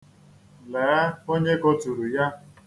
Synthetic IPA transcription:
lɛ˨˦a˦o˦ɲe˦ko˦tu˨ɾu˨ja˦

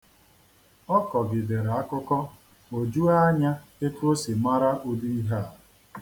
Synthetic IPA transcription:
ɔ˦kɔ˨ɡɪ˨de˨ɾa˨a˦kʊ˦kɔ˦ | o˨d͡ʒu˦a˦ɲa˦ɪ˦ko˦si˨ma˦ɾa˦ʔo˦du˦i˦ɦa˦˨

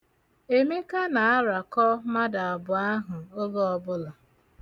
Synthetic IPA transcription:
e˦me˦ka˦na˨a˦ɾa˨kɔ˦ma˦da˨a˨bʊ˨a˦ɦʊ˨o˦bo˦ɔ˦bʊ˦lɔ˨

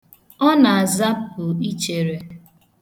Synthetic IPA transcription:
ɔ˦na˨a˨za˦pʊ˨i˦t͡ʃe˨ɾe˨

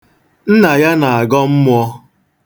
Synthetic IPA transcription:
n̩˦na˨ja˦na˨a˨ɡɔ˦m̩˦mʊ˦ɔ˦

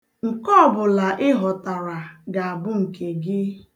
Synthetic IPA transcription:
ŋ̩˨kɔ˦˨bʊ˨la˨ʔɪ˦ɦɔ˨ta˨ɾa˨ɡa˨a˨bʊ˦ŋ̩˨kʰe˨ɡɪ˦

